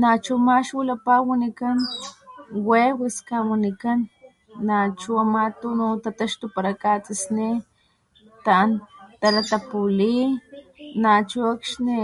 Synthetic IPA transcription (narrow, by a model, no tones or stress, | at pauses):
nat͡ʃumaʃwilapawanikan | wewiskawanikanː | at͡ʃuamat̪unut̪at̪aʃt̪upaɾakat͡sisni | t̪ant̪alat̪apuli | nat͡ʃuakʃni